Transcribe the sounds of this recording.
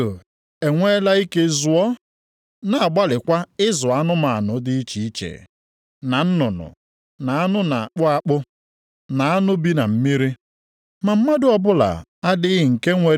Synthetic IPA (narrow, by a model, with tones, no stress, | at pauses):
o˨ | e˨ŋʷe˦la˦i˦ke˦zʊ˨ɔ˦ | na˨a˨ɡ͡ba˦lɪ˨kʷa˦ɪ˦zʊ˨a˦nʊ˦ma˨a˨nʊ˨˦dɪ˦i˦t͡ʃi˨i˦t͡ʃḛ˨ | na˨n̩˦nʊ˨nʊ̰˨ | na˨a˦nʊ˦na˨k͡pʊ˦a˦k͡pʊ˦ | na˨a˦nʊ˦bi˦na˨m̩˦mi˦ɾi˦ | ma˨m̩˦ma˦dʊ˦ɔ˨bʊ˦la̰˨a˦dɪ˦ɦɪ˨ŋ̩˨ke˦ŋʷe˨˦